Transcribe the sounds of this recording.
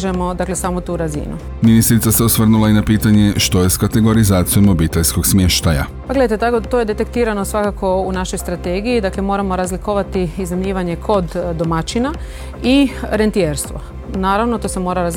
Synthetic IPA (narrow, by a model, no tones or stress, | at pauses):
ʒemo̞d̪akle̞saːmot̪uːɾazḭnṵ | minist̪ɾit̪saseosʋr̩nulainapiːt̪aɲe̞ʃt̪o̞jeskat̪eɡo̞ɾizaːt̪sijomo̞biːt̪eʎsko̞ɡsmje̞ʃt̪aja̰ppaɡle̞dajt̪et̪akot̪ojed̪e̞t̪e̞kt̪iːɾano̞sʋakako̞unaʃo̞jst̪ɾat̪eɡijid̪akle̞mo̞ːɾamo̞ɾazlikoʋat̪iizamɲiːʋaɲe̞kʰo̞d̪ːomat͡ʃina | iɾent̪ijeɾst̪ʋo̰ | naːɾaʋnot̪o̞semo̞ːɾaɾaz